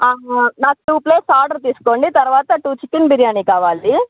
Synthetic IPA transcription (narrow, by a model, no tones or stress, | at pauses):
aːɦanaːkuʈuːpleːsaːɾɖɐɾt̪̬iːsu̥koːɳɖit̪ɐɾʋaːt̪ɐʈuːt͡ʃikːinbʱiɾijaːniːkaːʋaːld̪i